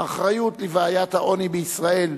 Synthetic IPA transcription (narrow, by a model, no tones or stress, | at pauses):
ʔaχʁajut̪livaaːjat̪haʔo̞nibeisʁae̞l